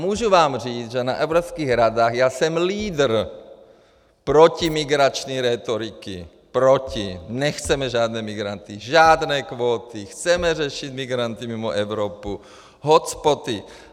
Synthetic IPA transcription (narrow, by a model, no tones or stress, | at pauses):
muːʒuvaːmriːd͡zʒɛnaʔɛʊɾopskiːɣɾad̪aːɣjaːsɛmliːd̪r̩ | pɾocimiɡɾat͡ʃniɾɛt̪oɾikḭ | pɾocinɛxt͡sɛmɛʒaːd̪nɛːmiɡɾant̪iʒaːd̪nɛːkʋoːt̪ixt͡sɛmɛrɛʃid̪miɡɾant̪imimoʔɛʊɾopu | ɦɔt͡spot̪i